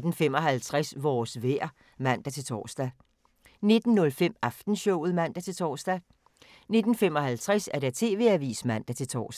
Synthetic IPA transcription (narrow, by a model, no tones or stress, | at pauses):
d̥n̩fem̰ɒ̽ɦælt͡sʰʁasʋɒːsʋeɐ̰ | mæn̰d̥æt͡sʰe̝lt͡sʰɒ̰ːsd̥æ | ne̝d̥n̩ːɔ̽lfem̰ɑfd̥n̩ɕɔʊ̰ð̞̩ˠmæn̰d̥æt͡sʰe̝lt͡sʰɒ̰ːsd̥æ | ne̝d̥n̩fem̰ɒ̽hælt͡sʰʁasæɐɾ̥æɐt͡sʰe̝ːʋe̝æʋḭːsmæn̰d̥æt͡sʰe̝lt͡sʰɒ̰ːs